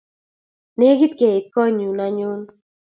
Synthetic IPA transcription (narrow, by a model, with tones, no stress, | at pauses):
ne˦ɡi˦t̪̚ke˨i˨kɔ˦ɲu˨na˨ɲʊ˦n